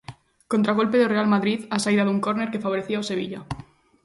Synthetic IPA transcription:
kont̪ɾaɣ̞o̞lpeðorealmaðɾiðasaiðaðuŋkoɾneɾkefaβ̞oɾeθiaose̞β̞iʎa

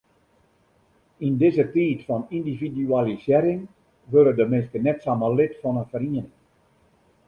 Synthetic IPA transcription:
indɪzətiːtfɔnindividyalisɪɾɪŋ | ʋøɾədəmɪnstənɛtsaməlɪtfɔnənfəɾiən

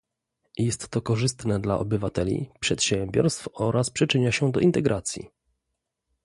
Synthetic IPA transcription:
jɛst̪ːɔkɔʐɘst̪nɛd̪la̰ʔɔbɘvat̪ɛlʲḭpʂɛt̪ɕɛmbʲjɔ̰ɾst̪fɔɾʔaspʂɘt͡ʂɘɲaɕɛd̪ɔ̰ʔint̪ɛɡɾʔat̪sʲjḭ

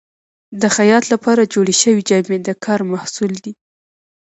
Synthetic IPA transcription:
d̪əxajɑt̪lapɑɾad͡ʒoɽiʃəwid͡ʒamed̪əkʰɑɾmahsuld̪i

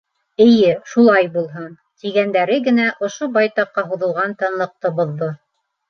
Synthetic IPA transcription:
ɘ̆jɘʃulˠɑjbulˠɦɤn | t̪iɡænd̪æɾɘɡɘ̆næʔŏʃobɑjt̪ɑqːɑɦuðɤ̆lˠʁɑnt̪ɤ̆nlˠɤ̆q̚t̪ɤbŏðːo

